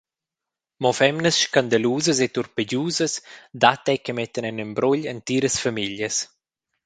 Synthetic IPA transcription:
mɔfɛmnəsʃkand̪aluːzəset̪urpəɟuːzəsd̪at̪ɛkəmɛt̪ːənɛnəmbɾɔʎənt̪iːɾəsfamiʎjəs

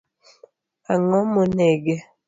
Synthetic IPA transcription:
aŋɔmonɛɡɛ

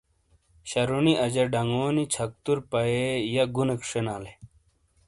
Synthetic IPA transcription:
ɕɐɾuniʔɐd͡ʑɐɾɖɐŋoːnit͡ɕʰɐk̚t̪uɾpɐejɐɡunɐkʂenaːle

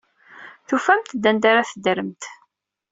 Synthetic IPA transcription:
θufæmt̪d̪ænd̪aɾaθəd̪əɾəmt̪

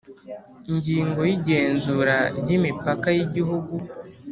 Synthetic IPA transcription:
iɲɟiːŋɡo̞jiɟe̞ːnzuɾaɾɟimipakajiɟiɦuɡu

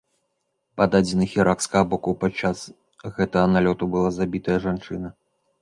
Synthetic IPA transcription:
pad̪ad͡zʲinɨxʲiɾakskɐɣɐbɔkupat͡ʂːas | ɣɛt̪ɐɣɐnalʲɔt̪ubɨlˠazabʲit̪ɐjɐʐant͡ʂɨnɐ

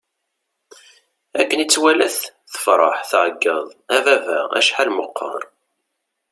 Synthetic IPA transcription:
ækːənit͡sːwælæθθə̥fɾˤɑ̰ħθʕəɡːɑðˤævævæ̰æ̰ʃħalməqʰːɑ̰ɾˤ

